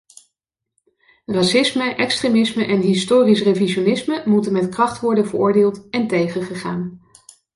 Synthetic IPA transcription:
rɑsɪsməʔɛkstremɪsməʔɛnɦɪstoːrisreviʃonɪsməmutənmɛtkrɑχtʋɔɹdənvəɹʊːɹdɪːlˠtɛntejχəχəχaːn

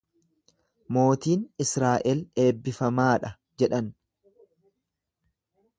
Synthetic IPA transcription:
mo̞ːt̪iːnɪsɾaːʔɛle̞ːbːɪfɐmaːᶑɐ | d͡ʒɛᶑɐn

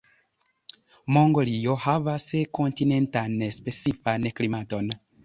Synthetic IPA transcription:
moŋɡoliohavasekontine̞ntanespet͡sifanklimaton

